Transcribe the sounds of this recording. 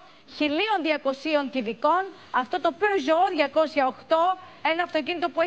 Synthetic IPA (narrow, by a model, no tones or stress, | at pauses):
çilio̞nðiɐko̞sio̞nt̪iviko̞n | ɐft̪o̞t̪o̞ːpiozooðʝɐko̞sçɐoxt̪o̞e̞nɐːft̪o̞cinit̪o̞pue